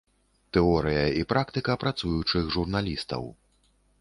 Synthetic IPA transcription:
t̪ɛɔɾɨjɐipɾakt̪ɨkɐpɾat̪sujut͡ʂɨxʐurnalʲist̪ɐ̰w

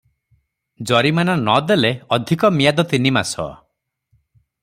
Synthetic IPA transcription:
d͡ʒɔɾimanɔnɔd̪eleɔd̪ʱikɔmijad̪ɔt̪inima̰sɔ̰

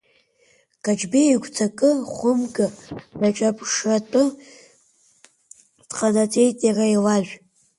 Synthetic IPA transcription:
kʼat͡ʃbeiɡʷʰt͡sʰakʼɨχʷʊmɡaraʈ͡ʂʼapʰʼʂatʼɨ | d̥qʼanat͡sʼe̞jtʼjarailaʒᶣʷ

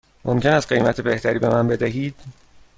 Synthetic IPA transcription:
mo̰mcʰe̞næst̪̚ɢe̞jmæt̪ʰebe̞ht̪ʰæɾiːbe̞mænbe̞d̪æɦiːd̪̥

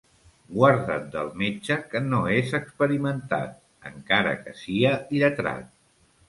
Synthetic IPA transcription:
ɡwaɾðət̪̚d̪əlˠmet͡ʃəkənoezəkspəɾimənt̪a̰t̪̚ | əŋkaɾə̰kə̰siəiðət̪ɾa̰t̪̚

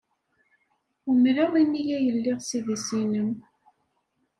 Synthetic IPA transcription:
umləʁˤinːijæjəlːiʁsiðisinəm

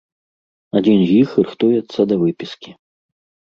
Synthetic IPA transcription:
ad͡zʲinzʲjixɨɾɨxt̪ujɛt̪sːɐd̪ɐvɨpʲiskʲi

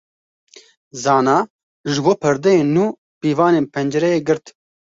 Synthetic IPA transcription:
zɑːnaː | ʒɨboːpʰɨɾd̪ɛjeːnnːuː | piːvɑːneːnpʰɛnd͡ʒɛɾɛjeːɡɨɾt̪

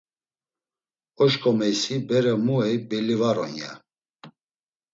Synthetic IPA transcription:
ɔʃkʼɔmɛjsibɛɾɛmuɛjbɛlivaɾɔ̰nja̰

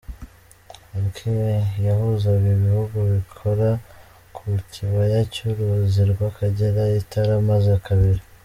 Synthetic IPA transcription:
ɾkʰimejahuzaβiβihuɡuβikʰoɾa | kʰucʰiβajacuɾuziɾɡwakʰaɟeɾaitʰaɾamazakʰaβiɾi

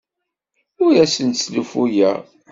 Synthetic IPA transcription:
ʊɾæsənslufujæ̰

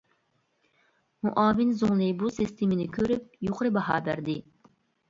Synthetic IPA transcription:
muʔɑːvɪnzoŋlˠɨbusɨst̪ʰemɪnɪkʲʰøɾyp̚joqʰəɾɨbɑɦɑ̰ːbæ̰ɾd̪ɪ

